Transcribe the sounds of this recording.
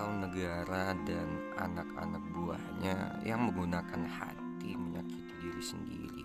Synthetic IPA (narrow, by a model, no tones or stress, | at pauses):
ʊŋnəɡaɾadan | a̰naka̰nak̚bua̰hɲa̰jaŋməŋɡunakanha̰t̪iməɲakit̪idiɾisəndḭɾḭ